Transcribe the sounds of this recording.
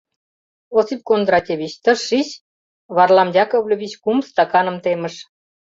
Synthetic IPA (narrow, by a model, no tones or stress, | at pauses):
osip̚kond̪ɾɑt̪ʲeβʲit͡ɕt̪əʃːiɕ | βɑrlɑmjɑkovlʲoβʲit͡ɕkumst̪ɑkɑnə̆mt̪emə̆ʃ